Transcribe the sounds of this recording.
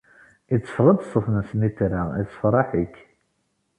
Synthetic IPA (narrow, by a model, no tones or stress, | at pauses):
it͡sːə̥fʁəd̪sˤəfnəsmit̪ɾaʁḭt͡sːə̥fɾˤɑħik